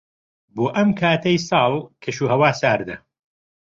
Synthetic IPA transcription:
boːʔɐmkʰaːt̪ʰɐjsɑːlˠkʰɐʃuːhɐwaːsaːɾd̪ɐ

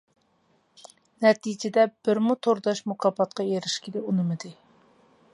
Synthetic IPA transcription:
nɛt̪ʰid͡ʒɪd̪ɛb̥ɪɾmut̪ʰoɾd̪ɑʃmukʰɑbɑt̪̚qʰɑjeɾɪʃkʲʰilɪunɨmɨd̪ɨ

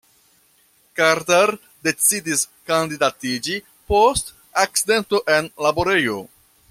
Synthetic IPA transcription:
kaɾtaɾ | de̞t͡sidiskandidatid͡ʒi | po̞st | ak̚t͡side̞nto̞ʔe̞nlabo̞ɾe̞jo̞

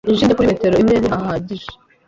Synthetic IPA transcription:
inʒiːndekuɾimeteɾoimneɾihahaːɟiʒe

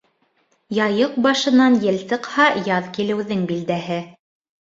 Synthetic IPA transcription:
jɑjɤq̚bɑʃɤ̆nɑnjɘ̆lsɤ̆qhɑjɑðkilɘ̆wðɘŋbild̪æɦɘ

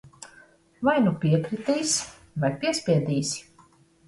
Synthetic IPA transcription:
vajnupʲiɛkɾit̪iːsʲ | vajpʲiɛspʲiɛd̪iːsʲi̥

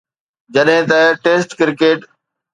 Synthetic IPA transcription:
d͡ʑɐɗɦɪ̃t̪ɐʈeːsʈkɪɾkeːʈ

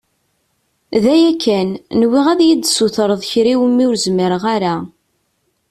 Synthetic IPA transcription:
ðæjækʰːænnwiʁæðjid̪suθɾˤəðˤçɾiwəmːiʊɾzməɾəʁaɾa

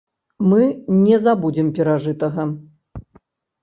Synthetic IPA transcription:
mɨnʲɛzabud͡zʲimpʲɛɾaʐɨt̪ɐɣɐ

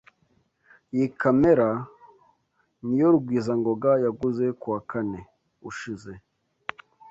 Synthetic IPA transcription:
jikameɾa | nijo̞ɾuɡwiːzaŋɡo̞ɡajaɡuze̞kuakane̞ | uʃize̞

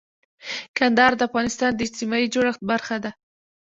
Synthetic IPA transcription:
kand̪ɑɾd̪əafɣɑnɪst̪ɑnd̪əɪd͡ʒt̪imɑid͡ʒoɽaxt̪̚baɾxad̪a

